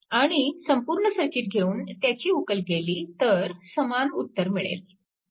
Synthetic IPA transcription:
aɽ̃isəmpuɾɳəsəɾkiːt̪̚ɡʱeuːnt̪jat͡ɕiːukəlɡʱeliːt̪əɾsəmanut̪ːəɾmiɭḛl

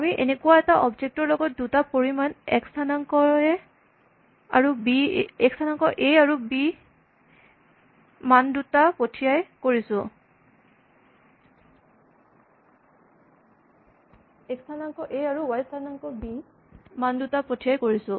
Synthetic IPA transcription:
amiʔḛnekuwaɛtaʔɔbd͡ʒek̚tɔɹlɔɡɔt̚dutapoɹimanɛkstʰanaŋkɔɛ | a̰ɹubiɛkstʰanaŋkɔʔeaɹubi | mandutapotʰijajkoɹisʊ̃ | ɛkstʰanaŋkɔʔeaɹuwajstʰanaŋkɔbi | mandutapotʰijajkoɹisʊ̃

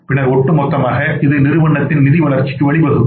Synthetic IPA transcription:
pɪɳɐɾɔʈːɯmɔt̪ːɐmaːɣɐɪðɐɪnɪɾɯʋɐɳːɐt̪ːɪnnɪðiʋɐɭɐɾt͡ʃɪ̥kːɯʋɐɭɪbɐðɯm

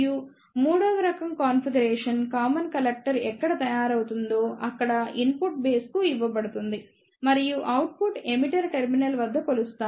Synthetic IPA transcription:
ju | muːɽɐʋɐɾɐkɐmkaːnfʰiɡɐɾeːʂɐnkaːmɐnkɐlek̚ʈɐɾɛkːɐɽɐt̪ɐjaːɾɐwut̪und̪o̞ːʔɐkːɐɽɐinpuʈ̚be̞ːskuiʋːɐpɐɽut̪und̪i | mɐɾijuʔɐwʈ̚puʈemiʈɐɾʈeɾminɐlʋɐd̪ʱːɐkolust̪aː

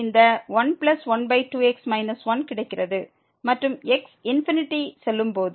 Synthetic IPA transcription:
ɪnd̪ɐʋɐnplɐsʋɐnbɐɪʈːuːɛksmɐɪnɐsʋɐnkɪɽɐɪkːɪrɐðɯ | mɐʈrɯmɛksɪnfɪnɪʈːisɛlːɯmpoːð

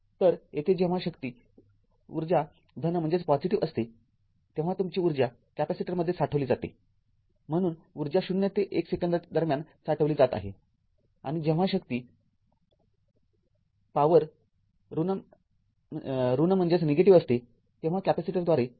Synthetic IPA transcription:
t̪əɾet̪ʰed͡ʑẽʋ̤aɕəkt̪iː | uɾd͡ʑa | d̪ʱənəm̤əɳd͡zeat͡spɔd͡ziʈiʋəst̪e | t̪ẽʋ̤at̪umt͡ɕiːuɾd͡ʑa | kæpasiʈəɾməd̪ʱːjesaʈʰəʋliːd͡zat̪ḛ | m̤əɽ̃uːnuɾd͡ʑjaɕunjət̪eʔeksekənd̪d̪əɾmjan | saʈʰəʋliːd͡zat̪a̰ɦḛ | a̰ɽ̃id͡ʑẽʋ̤aɕəkt̪iː | paʋəɾ | ɾun | ɾunəm̤əɳd͡ʑet͡sneɡeʈiʋəst̪e | t̪ẽʋ̤akæpasiʈəɾd̪ʋaɾe

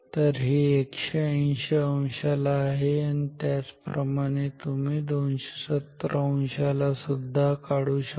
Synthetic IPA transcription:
t̪əɾɦiːekɕeə̃ɕeə̃wɕalaːɦeanit̪jat͡spɾəmaɽ̃et̪umiːd̪onɕe̥sət̪ːɾəə̃ɕalasud̪ʱːakaɽuːɕə

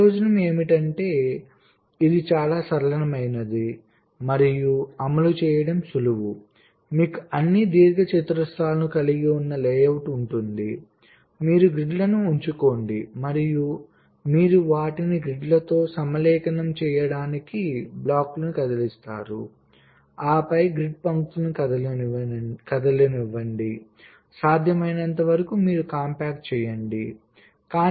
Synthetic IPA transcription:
oːd͡ʒɐnɐme̞ːmiʈɐɳʈe̞ː | id̪it͡ʃaːlaːsɐɾɐlɐnɐmɐjnɐd̪i | mɐɾijuɐmɐlut͡ʃɛːjɐɽɐmsuluwu | miːkuɐnːid̪iːɾɡɐt͡ʃit̪ɾɐst̪aːlɐnukɐliɡiunːɐlejɐwʈuɳʈund̪i | miːɾuɡɾiɖlɐnuːɲt͡ʃuko̞ːɳɖimɐɾiju | miːɾuʋaːʈiniɡɾiɖlɐt̪o̞ːsɐmɐlɛːkɐnɐmt͡ʃɛːjɐɽaːnikiblaːklɐnukɐd̪ɐlist̪a̰ːɾṵ | aːpɐjɡɾiɖ̚pɐŋksnukɐd̪ɐl | kɐd̪ɐlɐniʋːɐɳɖi | saːd̪ʱjɐmɐjnɐnt̪ɐʋɐɾɐkumiːɾukaːmpaːk̚ʈ̚t͡ʃɛːjɐɳɖi | kaː

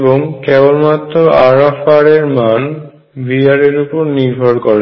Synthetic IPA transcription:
boŋkɛbolmat̪ːɾoaɾafaɾeɾman | biaɾeɾupoɾniɾbʱoɾkɔɾe

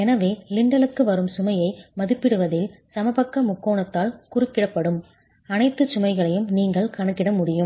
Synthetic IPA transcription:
ɛnɐʋeːlɪɳɖɐlɯkːɯʋɐɾɯmsʊmɐjɐɪmɐðɯpːɪɽɯʋɐðɪlsɐmɐbɐkːɐmʊkːoːɳɐt̪ːaːlkʊrɯkːɪɽɐpːɐɽɯm | ɐnɐɪt̪ːɯt͡ʃʊmɐɪɣɐɭɐjɯmniːŋɡɐɭkɐɳɯkːɪɽɐmʊɽɪjɯm

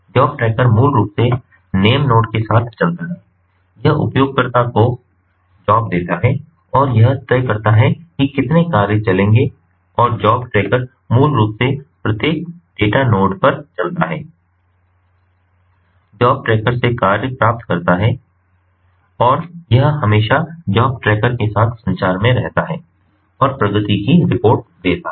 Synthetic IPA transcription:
d͡ʒɔːb̚ʈɾɛːkəɾmuːlɾuːpse | neːəmnoːʈkesaːt̪ʰt͡ʃɐlt̪aɦɛ | jɐɦʊ̰pjoːɡ̚kɐɾt̪ako | d͡ʒɔːb̚d̪eːt̪aɦɛː | ɔːɾjɐɦt̪əkɐɾt̪aɦɛkikɪt̪nekaːɾjət͡ʃɐlẽːŋɡe | ɔːɾd͡ʒɔːbʈɾeːkəɾ | muːlɾuːpsepɾɐt̪jeːk̚ɖ̥eːʈanoːʈpɐɾt͡ʃɐlt̪aɦɛː | d͡ʒɔːb̚ʈɾɛːkəɾsekaːɾjəpɾaːp̚t̪kɐɾt̪aɦɛ | ɔːɾjɐɦhɐmeːʃad͡ʒɔːb̚ʈɾɛːkəɾkesaːt̪ʰsɐ̃ɲt͡ʃaːɾmẽɾɛɦt̪aɦɛː | ɔːɾpɾɐɡət̪ikiɾɪpoːɾʈd̪eːt̪a

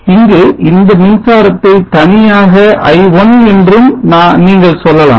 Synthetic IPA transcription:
ɪŋɡeɪnd̪ɐnɪnsaːɾɐt̪ːɐɪt̪ɐnɪjaːɣɐʔɐ̰ɪʋɔnɛndrɯmnãːniːŋɡɐɭsɔlːɐla̰ː

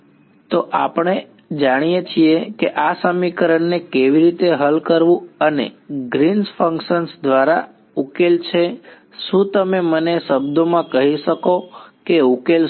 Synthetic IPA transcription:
t̪oʔapəɽ̃e | d͡ʒaɽ̃ijet͡ʃʰiekeʔasəmikəɾəɳːekeʋiɾit̪eɦəlkəɾʋũənḛɡɾinsfəŋkʃənsd̪ʋaɾa̰ | ukelt͡ʃʰe | ʃũt̪əmeməneʃəbd̪omãkəɦiʃəkokeukel

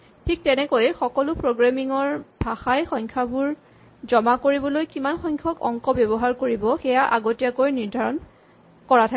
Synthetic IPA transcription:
tʰik̚tɛnɛkojxɔkɔlʊpɹoɡɹamiŋɔɹbʱaxajxɔŋkʰabuɹ | zɔmakoɹibɔlojkimanxɔŋkʰɔkɔ̰ŋkɔbebɔɦaɹkoɹibɔxɛjaʔaɡotiakojniɹdʱaɹɔn | kɔatʰa

